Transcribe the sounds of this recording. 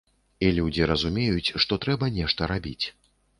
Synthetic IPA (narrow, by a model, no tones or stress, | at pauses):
ilʲud͡zʲiɾɐzumʲejut͡sʲʂt̪ɔt̪ɾɛbɐnʲɛʂt̪ɐɾabʲit͡sʲ